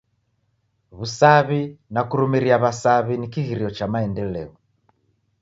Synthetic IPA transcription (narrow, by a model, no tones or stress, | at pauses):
βusaβinakuɾumiɾiaβasaβinikiɣiɾiɔt͡ʃamaɛndɛlɛɔ